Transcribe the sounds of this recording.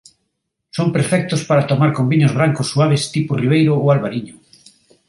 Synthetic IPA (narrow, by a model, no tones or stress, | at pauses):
sompeɾfɛk̚t̪ʊspaɾat̪omaɾkombiɲozβɾaŋkʊsːuaβ̞est̪ipʊriβ̞ejɾʊoalβaɾiɲʊ